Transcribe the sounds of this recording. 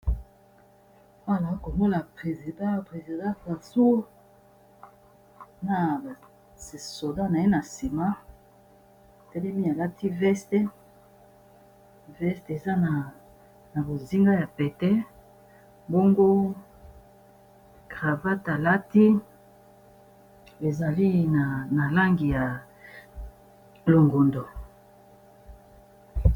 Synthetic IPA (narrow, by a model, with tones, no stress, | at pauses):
wa˦˨la˨˦ko˨mo˦la˨pʁe˨zi˨dã˦pʁe˨zi˨dã˦ka˨su˦ | na˨a˨ | so˨da˦na˨e˦na˨si˨ma˦˨ | tɛ˦lɛ˦mi˦a˨la˦tʰi˦vɛ˦stɛ˦ | vɛ˦ste˨za˦na˨ | na˨bo˨zi˦ŋɡa˦ja˨pɛ˨tɛ˦ | bo˦ŋɡo˦ | ɡ̥ʁa˨va˦ta˨la˦ti˦ | e˨za˨li˦na˨na˨la˦ŋɡi˨ja˨ | lo˨ŋɡo˨ndo˨